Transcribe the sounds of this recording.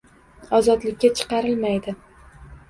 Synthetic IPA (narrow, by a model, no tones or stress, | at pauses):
ɒzɒd̪lɪk̚ʲːat͡ʃʰɨ̥qɑɾɪlmajd̪ɪ